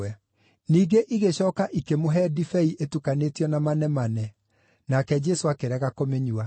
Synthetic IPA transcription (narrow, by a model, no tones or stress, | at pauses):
ɛ | niːɡeʔiɣeɕɔːkaʔikemoɦɛdifɛiʔetukanetiɔnamanɛmanɛ | nakɛd͡ʒɛsoakeɾɛɣakomeɲua